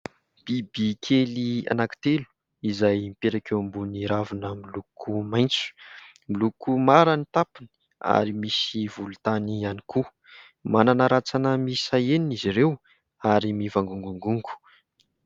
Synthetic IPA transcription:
b̥ibikʰelia̰naki̥t̪elu̥ | izajmpeɾakeambuniɾavinəmilukʰumajnt͡su̥ | milukumaɾanit̪apini̥ | a̰ɾimisivulut̪anianiku | mananəɾat͡sanəmisajeniniziɾew | aɾimivaŋɡuŋɡuŋɡuŋɡu̥

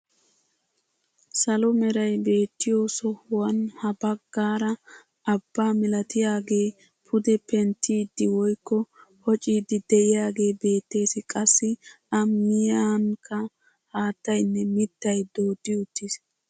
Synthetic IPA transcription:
sɐlɔmɛɾɐjbe̞ːt̪ːɪjoːsɔhʊwɐnhɐbɐɡːaːɾɐ | ɐbːaːmɪlɐt̪ɪjaːɡe̞ː | pʰʊd̪ɛpɛnt̪ʰːiːd̪ːɪwɔjkːɔhɔt͡ʃʼiːd̪ɪd̪ɛʔɪjaːɡe̞ːbe̞ːt̪ːe̞ːsɪkʼɐsːɪ | ɐmɪjaːŋkʰːɐ | haːt̪ːɐjnːɛmɪt̪ːɐjd̪oːd̪ːɪʊt̪ːɪs

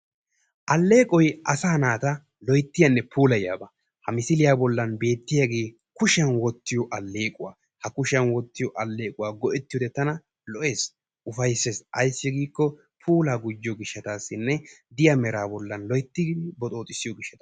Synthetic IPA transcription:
ʔɐlːe̞ːkʼɔjʔɐsaːnaːt̪ɐ | lɔjt̪ːɪjɐnːɛpʰuːlɐja̰ːbɐ | hɐmɪsɪlɪjaːbɔlːɐnbe̞ːt̪ːɪjɐɡe̞ː | kʊʃɪɐnwɔt̪ːɪjɔʔɐlːe̞ːkʼʊwa̰ː | hɐkʊʃɐnwɔt̪ːɪjɔʔɐlːe̞ːkʼʊwaːɡɔʔɛt̪ːɪjɔd̪ɛt̪ːɐnɐ | lɔʔe̞ːs | ʔʊfɐjsːesʔɐjsːɪɡiːkːɔ | pʰuːlaːɡʊd͡ʒːɪɔɡɪʃːɐt̪aːsːɪnːɛd̪ɪjɐmɛɾaːbɔlːɐnlɔjt̪ːɪɡd̪ɪbɔt̪ʼo̞ːt̪ʼɪsːɪjɔɡɪʃːɐt̪ɐ̥

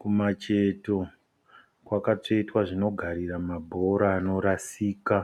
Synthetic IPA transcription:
kumat͡ʃeto | kwakat͡ʂoitwaʐino̞ɡʱaɾiramabʱo̞ɾaːno̞ɾasiːka

